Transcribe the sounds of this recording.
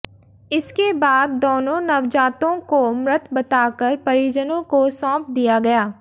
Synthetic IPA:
ɪskebaːd̪ːoːnõnɐʋd͡ʒaːt̪õkomɾɪt̪bɐt̪aːkəɾpɐɾiːd͡ʒənõkosɔ̃ːp̚d̪ijaɡɐjaː

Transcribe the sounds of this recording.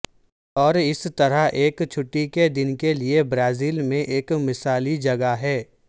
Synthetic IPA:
ɔːɾɪst̪ɐɾaɦʔeːkt͡ʃʰʊʈːiked̪ɪnkeliebɾaːziːlmẽʔeːkmɪsaːlid͡ʒɐɡaɦɛː

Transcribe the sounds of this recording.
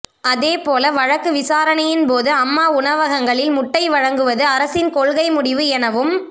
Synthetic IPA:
ɐðeːpoːlɐʋɐɻɐkːɯʋɪsaːɾɐnɐjɪnpoːðɯɐmːaːʊɳɐʋɐɣɐŋɡɐɭɪlmʊʈːɐɪʋɐɻɐŋɡɯʋɐðɯɐɾɐsɪnkɔɭɣɐɪmʊɽɪʋɯɛnɐʋɯm

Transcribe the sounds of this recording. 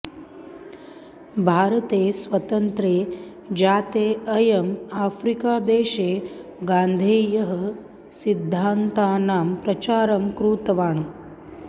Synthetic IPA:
bʱaːɾɐt̪eːsʋɐt̪ɐnt̪ɾeː | d͡ʒaːt̪eːɐjɐmaːfʰɾikaːd̪eːʃeːɡaːnd̪ʱeːjɐɦɐ | sid̪ʱːaːnt̪aːnaːmpɾɐt͡ʃaːɾɐmkɾuːt̪ɐʋaːɳu

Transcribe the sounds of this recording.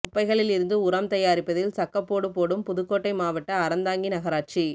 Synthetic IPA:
ʊpːɐɪɣɐɭɪlɪɾɯnd̪ɯʊɾɐmt̪ɐjaːɾɪpːɐðɪlsɐkːɐpːoːɽɯpːoːɽɯmpʊðɯkːoːʈːɐɪmaːʋɐʈːɐːɾɐnd̪aːŋɡinɐɣɐɾaːʈ̚t͡ʃi

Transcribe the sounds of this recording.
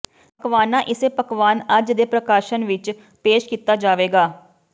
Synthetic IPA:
pkʋaːnãːʔɪseːpəkʋaːnəd͡ʒd̪eːpɾəkaːʃənʋɪt͡ʃ | peːʃkiːt̪aːd͡ʒaːʋeːɡaː

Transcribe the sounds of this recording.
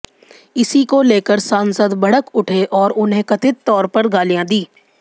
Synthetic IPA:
ɪsikoleːkəɾsãːnsəd̪bɐɽəkʊʈʰeʔɔːɾʊnɦẽkɐt̪ɪt̪ːɔːɾpɐɾɡaːlijãd̪iː

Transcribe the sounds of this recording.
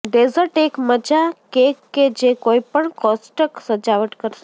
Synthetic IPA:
ɖezəɾʈekməd͡ʒakekːed͡ʒekoipəɳkɔsʈəksəd͡ʒaʋəʈkəɾʃe

